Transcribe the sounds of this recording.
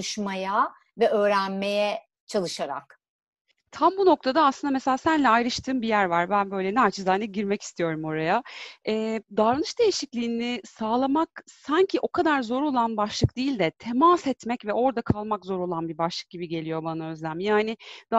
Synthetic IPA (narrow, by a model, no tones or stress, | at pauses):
uʃmaja | vɛø̞ːɾænmejɛ | t͡ʃʰalˠɯʃaɾa̰k | t̪ʰambuno̞kt̪ʰad̪aaːsɯnd̪ameselʲaːsænlʲɛajɾɯʃt̪ʰɯːmbijæɾvaɾbænbø̞jlʲɛnɛat͡ʃʰɯzajnʲɛɟiɾmɛci̥st̪ʰijo̞ɾumo̞ɾajaɛːd̪aɾanɯʃd̪e̞jiʃiclʲiːnɪsaːlˠamaksaɲcʰiʔo̞kʰad̪aɾzo̞ɾo̞lˠanbaʃlˠɯk̚d̪̥iːlʲd̪ɛt̪ʰemasɛt̪mɛcvɛʔo̞ɾd̪akʰalˠmakzo̞ɾo̞lˠanbibaʃlˠɯk̚ɟibiɟe̞lʲijo̞banaø̞zlʲæmjaːnɪd̪̥a